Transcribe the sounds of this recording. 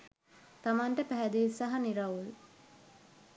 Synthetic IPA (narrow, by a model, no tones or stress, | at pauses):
t̪amaɳʈəpæɦɛd̪iʋisaɦaniɾaʋul